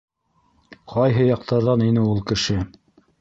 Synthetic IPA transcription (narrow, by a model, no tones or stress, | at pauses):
qʰɑjɦɤjɑq̚t̪ʰɑɾðɑninɘulˠkɘ̆ʃɘ